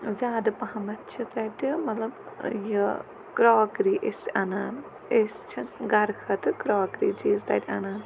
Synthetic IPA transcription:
zʲaːd̪ɐpɐhɐmɐtːt͡ʃʰit̪ɐt̪ʲimɐt̪lɐbjɨ | kɾoːkɾiːʔesʲɐnaːn | est͡ʃʰiɡɐɾkʰɐt̪ɨkɾoːkɾḭːt͡ʃiːzd̪ɐ̰ːt̪ʲɐnaːn

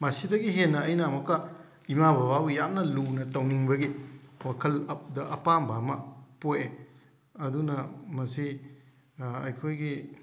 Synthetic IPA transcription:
mɐsidɐɡiɦenːɐɐjnamɐkːɐ | imabɐbabujamnɐlunɐtɐwniŋbɐɡiwakʰɐldɐʔɐpambamɐpoje | ɐdunɐmɐsi | ɐ̰jkʰojɡi

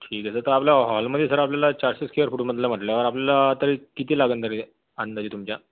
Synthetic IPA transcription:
ʈʰiːk̪esət̪əɾapljaɦɔlməd̪ʱjesəɾapljalat͡ɕaɾsəskʰeəɾfuːʈməd̪ʱlam̤əʈljaʋəɾapljalat̪əɾikit̪iːlaɡənt̪əɾi | ənd̪ad͡ʑiːt̪umt͡ɕja

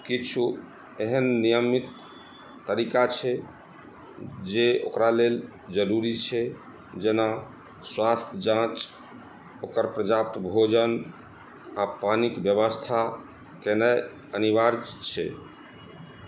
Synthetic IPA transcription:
kit͡ʃʰu | eɦənːijəmit̪ː | əɾikat͡ʃʰɛ | d͡ʒeokɾalel | d͡ʒəɾuɾit͡ʃʰɛ | d͡ʒena | swast̪ʰd͡ʒãt͡ʃ | okəɾpɾəd͡ʒap̚t̪bʱod͡ʒən | apanikbjəβəst̪ʰa | kenɛ | ənibaɾt͡ʃʰɛ̰

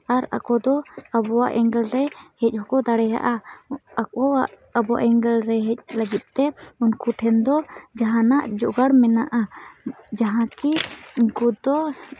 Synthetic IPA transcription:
aɾa̰kɔd̪ɔabɔwaʔɛŋɡɛlɾɛhɛc̚ˀhɔkɔd̪aɽɛɦa̰ʔaakɔwaʔ | abɔwa̰ʔɛŋɡɛlɾɛɦɛc̚ˀlaɡit̪̚ˀt̪ɛunkuʈʰɛnd̪ɔd͡ʒaɦãnaʔd͡ʒɔʔɡaɽmɛnaʔa | d͡ʒaɦãkinkud̪ɔ

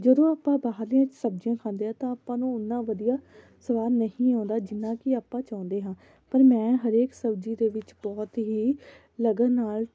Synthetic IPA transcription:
d͡ʒəd̪õːaːpãːbaːɦəɾlijãːt͡ʃsəb̚d͡ʒɪjãːkʰãːnd̪eːɦãːt̪ãːaːpːãːnũːʊnːãːʋəd̪ijaː | səʋaːɾnəɦĩːãːnd̪aːd͡ʒɪnːãːkɪaːpːãːt͡ʃãːʊ̃nd̪eːɦãː | pəɾmɛ̃ːɦəɾeːksəbd͡ʒiːd̪eːʋɪt͡ʃbɔːt̪ɦiː | ləɡənnaːl

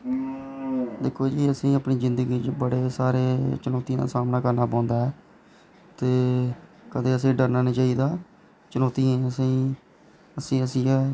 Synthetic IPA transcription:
d̪ɪkʰoːd͡ʒiːəsĩːapniːzɪ̃nd̪əɡiːt͡ʃbəɽeːsaːɾeːt͡ʃənɔːt̪ijãːd̪a̰ːsaːmnaːkəɾnaːp̬ãːnd̪aːɦɛː | t̪eː | kəd̪eːəsĩːɖəɾnaːnĩːt͡ʃaːiːd̪aː | t͡ʃənɔːt̪iːẽːəsĩː | əsĩːəsĩːɛː

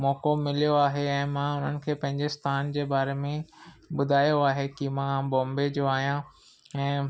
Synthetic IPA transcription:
mɔːkomɪlijoaːɦeɛ̃ːmãːʊn̤ənɪ̆kʰeːpɐ̃ɦɪ̃ɲd͡ʑest̪ʰaːnd͡ʑeːbaːɾemẽɓʊd̪ʱaːjoaːɦekimãbɔ̃ːmbed͡ʑoaːɦijã | ɛ̃ː

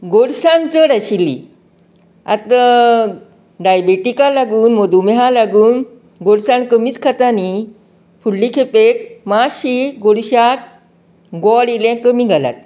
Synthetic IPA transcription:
ɡoɽsant͡səɽaɕilːḭ | a̰t̪ | ɖajbeʈikalaɡuːnməd̪umeɦalaɡuːn | ɡoɽsankəmiːt͡skʰat̪ani | fuɭːikʰepekmaɕiɡoɽɕat̪ | ɡɔɽiljãkəmĩɡʱala̰t̪̚

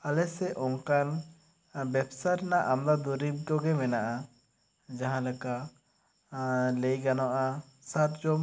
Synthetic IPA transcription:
alɛsɛʔɔ̃ŋkan | bɛbsaɾnaʔamd̪ad̪uɾip̚kɔɡɛmɛnaʔa | d͡ʒaɦãlɛka | lɛjɡanɔʔa | sat̪̚d͡ʒɔm

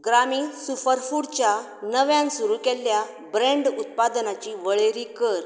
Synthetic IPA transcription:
ɡɾamiːnsufəɾfuɽt͡ɕja | nəʋjãnsuɾukɛlːja | bɾẽɳɖut̪̚pad̪nat͡ɕiːʋəɭeɾiːkəɾ

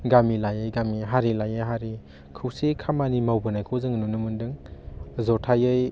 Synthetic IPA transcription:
ɡamilajɯjɡamiɦaɾilajajɦaɾi | kʰɯwsekʰamanimawbɯnajkʰɔzɯŋnunɯmɯndɯŋzɔtʰajɯj

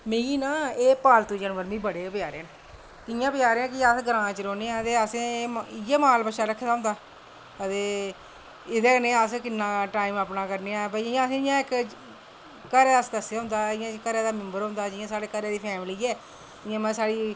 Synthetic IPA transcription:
mẽːiːnaːeːpaːlt̪uːd͡ʒənʋəɾmĩːbəɽeːəpɪjaːɾeːne | k̪ɪjãːpjaːɾeːãːkɪasɡəɾãːt͡ʃəɾoːneːãːət̪eːəsẽːɪjãːmaːlpəʃaːɾəkʰːd̪aːɦʊ̃nd̪aː | ət̪eː | ɪd̪eːənẽːəskɪnːãːʈaːiməpnaːkəɾneːãːpəɪɪjãːəsẽːɪjãːɪk | əɾɛːasd̪əsjaːʊnd̪aːɪjãːkːəɾɛːd̪aːmɪ̃mbəɾʊ̃nd̪aːd͡ʒɪjãːsaːɽeːkəɾeːd̪iːpʰɛːmliːɛː | ɪjãːmɛ̃ːsaːɽiː

